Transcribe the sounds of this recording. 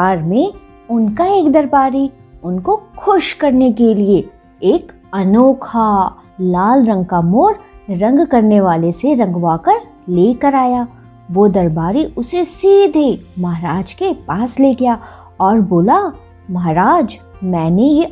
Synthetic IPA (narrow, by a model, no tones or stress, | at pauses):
aːɾmẽ | ʊnkaeːkd̪ɐɾbaːɾiʊnkoxʰʊʃkɐɾnekelieː | k | ɐnoːkʰalaːlɾɐ̃ŋɡ̚kamoːɾɾɐ̃ŋɡkɐɾneʋaːleseɾɐ̃ŋɡʋaːkəɾ | leːkəɾaːjaː | ʋod̪ɐɾbaːɾiʊsesiːd̪ʱemɐɦɾaːd͡ʒkepaːsleːɡɪjaː | ɔːɾboːla | mɐɦaɾaːd͡ʒmɛ̃ːneje